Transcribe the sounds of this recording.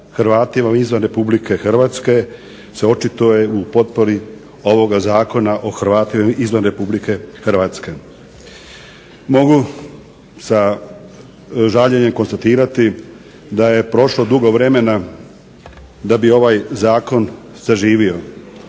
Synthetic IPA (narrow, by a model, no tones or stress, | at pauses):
xɾʋaːt̪imaizʋanɾe̞publike̞xr̩ʋaːt̪ske̞ | seo̞t͡ʃit̪ojeupo̞t̪̚po̞ɾi | o̞ʋo̞ɡazaːko̞naʔo̞xɾʋaːt̪imaʔizʋanɾe̞publike̞xr̩ʋaːt̪ske̞ | mo̞ɡu | sa | ʒaʎe̞ɲemko̞nst̪at̪iːɾat̪i | d̪aje̞pɾo̞ʃlo̞d̪uɡo̞ʋɾe̞me̞na | d̪abio̞ʋajzaːko̞n | saʒiːʋio̞